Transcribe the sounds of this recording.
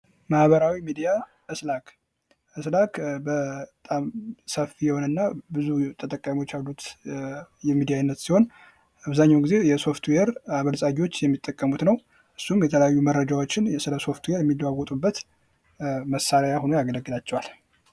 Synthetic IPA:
mahβəɾawimid̪ija | ʔɨslak | ʔɨslakbət̪ʼamsəfːijɛho̞nɨnːabɨzut̪ʰʼət̪ʼəkʼːamiwot͡ʃːjalːut̪ | jɛmid̪ijanːət̪siho̞n | aβzaɲːawɡize̞jɛso̞ft̪weɾaβəlsʼaɡiwo̞t͡ʃːjɛmːit̪ʼːəkʼːəmut̪nəw | ʔɨsːumjɛt̪ʰələjajːuməɾːəd͡ʒawo̞t͡ʃːɪnjɛsɨləso̞ft̪weɾjɛmːid̪wawɔt̪ʼubːət̪ | məsːaɾjajaho̞nojaɡələɡːɨlat͡ʃːɛwal

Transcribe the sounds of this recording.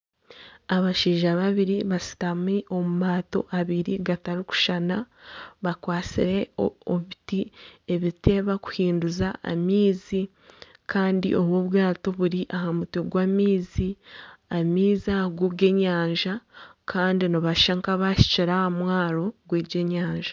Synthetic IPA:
aβaʃiːʒaβaβiɾiβasi̥tamiʔo̞mumaːto̞̰ʔaβiɾiɡataɾiku̥ʃanaβakwaːt͡sḭɾe̞oβitie̞βite̞βaku̥hiːnduzaa̰miːzi | kaːndḭʔo̞βwoːβwaːto̞βuɾiʔahamutoɡwaːmiːziamiːzaɡuɡe̞ɲaːɲʒakʰaːndiniβaʃaŋkaβaʃi̥ciɾaamwaːɾo̞ɡweːɟe̞ɲaːɲʒḁ

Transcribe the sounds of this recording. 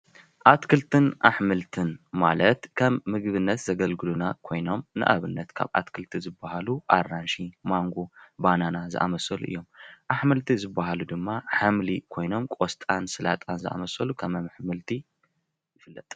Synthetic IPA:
ʔat̪kʰɨlt̪ʰɨnʔaħmɨlt̪ʰɨnma̰lɐt̪kʰɐmːɨɡβɨnːɐt̪zɐɡɐlɡɨlunakʰo̞jno̞mnɨ̰ʔa̰βɨnːɐt̪kʰa̰βʔa̰t̪kʰɨlt̪ʰizɨbːahaluʔaranʃimaŋɡobananazɨ̰ʔa̰mɐsɐlṵʔɨ̰jːo̞mʔaħmɨlt̪ʰizɨbːahalud̪ɨmːaħamlikʰo̞jno̞mkʷʼost̪ʼansɨlat̪ʼanzɨʔa̰mɐsɐlukʰɐmɐmɨħmɨlt̪ʰi | jɪfɨlːɐt̪ʼ

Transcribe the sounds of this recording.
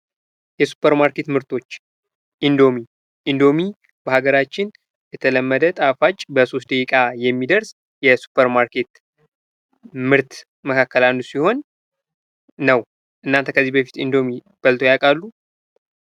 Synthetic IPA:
jɛsu̥pʰːəɾmaɾke̞t̪mɨɾt̪ʰo̞t͡ʃː | ʔind̪o̞mi | ʔind̪o̞mi | bəhaɡəɾat͡ʃːɪn | jɛt̪ʰələmːəd̪ət̪ʼafat͡ʃʼːbəso̞s̬t̪d̪əkʼikʼajɛmːid̪əɾs | jɛsu̥pʰːəɾmaɾke̞t̪ | mɨɾt̪ | məkʰakːəlanːusiho̞n | əw | ʔɨnːant̪ʰəkʰəzːibəfi̥t̪ind̪o̞mi | b̥əlt̪ʰo̞jakʼalːu

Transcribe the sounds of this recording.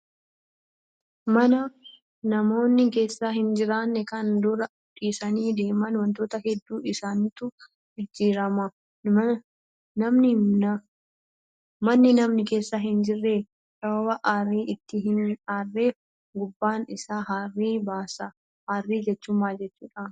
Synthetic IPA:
mɐnɐ | nɐmo̞ːnːɪke̞ːsːaɦɪnd͡ʒɪɾaːnːɛkɐnd̪ʊɾɐʊtʼiːsɐniːd̪e̞ːmɐnwɐnt̪o̞ːt̪ɐhɛd̪ːuːɪsaːnːt̪ʊ | ɪd͡ʒːiːɾɐmɐ | nɐmnɪ | mɐnːɪnɐmnɪke̞ːsːaɦɪnd͡ʒɪrːeː | sɐbɐbɐʔaːriːʔɪt̪ːɪɦɪnaːrːeːf | ɡʊbːaːnɪsaːɦaːrːiːbaːsɐ | haːrːiːd͡ʒɛt͡ʃːʊmːaːd͡ʒɛt͡ʃːṵːᶑa

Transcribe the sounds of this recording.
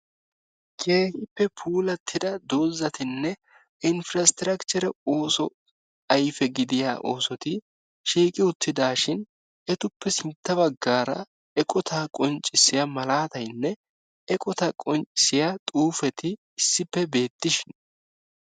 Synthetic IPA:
kʰeːhɪpːɛpʰuːlɐt̪ʰːɪd̪ɐd̪o̞ːzːɐt̪ɪnːɛ | ɪnfɾɐst̪ɪɾɐkt͡ʃɛɾɛo̞ːsɔ | ɐjfɛɡɪd̪ɪja̰ːʔo̞ːsɔt̪ɪ | ʃiːkʼɪʊt̪ʰːɪd̪aːʃɪn | ɛt̪ʊpːɛsɪnt̪ːɐβɐɡːaːɾɐ̰ | ɛkʼɔt̪ʰakʼɔnt͡ʃʼːɪsːɪjɐmɐlaːt̪ɐjnːɛ | ɛkʼɔt̪ɐkʼɔnt͡ʃʼɪ̥sɪjat̪ʼuːfɛt̪ɪː | sːɪpːɛbe̞ːt̪ːɪʃɪn

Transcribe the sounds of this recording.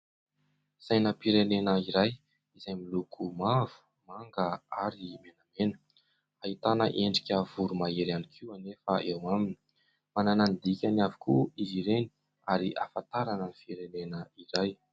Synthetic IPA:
z̥ajnəpiɾenenəiɾaj | izajmilukʰumav̥u̥ | maŋɡəaɾimenamenə̥ | ait̪anəʔeɳɖ͡ʐi̥kʲəvuɾumaeɾanikʰiwanefəʔewamini̥ | mananand̪ikʲanavi̥kuiziɾeni̥ | aɾiʔafant̪aɾanənifiɾenenəiɾaj

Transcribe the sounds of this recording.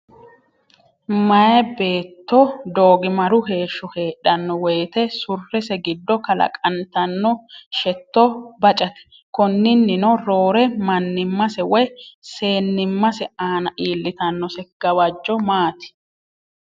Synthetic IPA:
mɐjɛbe̞ːt̪ːɔd̪oːɡɪmɐɾʊhe̞ːʃːɔke̞ːɗːɐnːɔwɛjːt̪ɛsʊrːɛsɛɡɪd̪ːɔkɐlɐ̰kʼɐnt̪ɐnːɔʃɛt̪ːɔbɐt͡ʃʼɐt̪ɛ̥ | kɔnːɪnːɪnɔɾo̞ːɾɛmɐnːɪmːɐsɛwɔjse̞ːnːɪmːɐsɛaːnɐʔiːlːɪt̪ɐnːɔsɛɡ̥ɐwɐd͡ʒːɔmaːt̪ɪ̥

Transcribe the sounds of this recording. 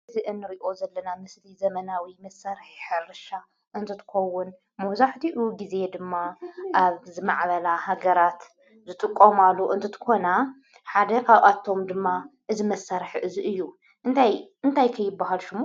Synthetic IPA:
zɨʔɨnːɨɾiʔo̞zɐlːɐnamɨslizɐmɐnawimɐsːaɾħħɨɾɨʃa | ʔɨnt̪ʰɨt̪ʰɨ̥xɐwːʊn | mɐβzaħt̪ʰiʔuɡize̞d̪ɨmːaʔaβzɨmaʕβɐlaɦaɡɐɾat̪ | zɨt̪ʼɨkʼːomalːuʔɨ̰nt̪ʰɨt̪ʰɨ̥kʰo̞na | ħad̪ɐkʰaβʔat̪ʰːo̞md̪ɨmːaʔɨzimɐsaɾħʔɨziʔɨjːu | ʔɨnt̪ʰajɨnt̪ʰajkʰɐjːɪbːaɦalʃɨmu

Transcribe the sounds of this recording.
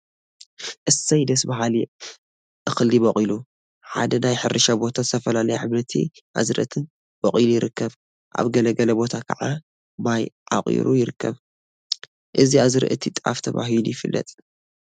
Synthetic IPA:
ʔɨsɐjd̪ɐsbɐɦali | ʔɨxɨlːibɐχʼilu | ħa̰d̪ɐnajħɨɾɨʃabo̞t̪ʰazɨt̪ʰɐfɐlalɐjuħɨβɾɐt̪ʰḭʔa̰zɾɨ̰ʔt̪ʰɨn | b̥ɐχʼilujɪɾɨkʰːɐβ | ʔa̰βɡɐlɐɡɐlɐbo̞t̪ʰakʰa̰ʕa | bajʕa̰χʼḭɾʔujɪɾɨkːɐβ | ʔɨziaβzɨɾɨ̰ʔɨt̪ʰit̪ʼa̰ft̪ʰɐβa̰ɦilujɪfɨlːɐ̰t̪ʼ

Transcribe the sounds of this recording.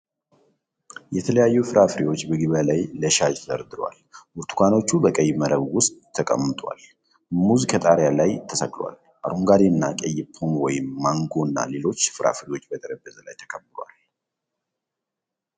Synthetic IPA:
jɛt̪ʰələjajːufɨɾʔafɾiwo̞t͡ʃːbəɡɨβəlajləʃad͡ʒt̪ʰd̪əɾd̪ɨɾwa̰lwʊɾt̪ʰu̥kʷʰano̞t͡ʃːubəkʼəjməɾəβwʊst̪ʼʰːəkʼəmːɨt̪ʼwa̰l | muzkʰət̪ʼaɾjalajt̪ʰəsəɡʼlwa̰l | ʔa̰ɾoŋɡaɾiɨnːakʼɛjɪpʰːonwɔjɪmːaŋɡonːa̰le̞lo̞t͡ʃːfɨɾʔa̰fɾiwo̞t͡ʃːbət̪ʼəɾəbːəzəla̰jt̪ʰə̥kʰəbːɨlwa̰l

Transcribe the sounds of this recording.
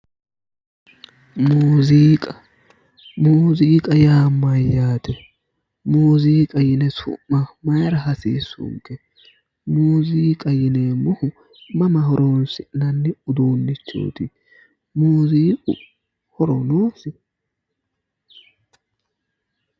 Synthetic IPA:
muːziːkʼɐ | muːziːkʼɐjaːmːɐjaːt̪ɛ | muːziːkʼɐjɪnɛsʊ̰ʔːɐmɐjɾɐɦɐsḭːsʊ̰ŋkːɛ | muːziːkʼɐjɪneːmʊhʊ | mɐmɐɦɔɾʔɔnsɪnɐnːɪʊd̪oːnːɪt͡ʃːo̰ːt̪ɪ | muːziːkʼʊ̰ | hɔɾɔnoːsɪ

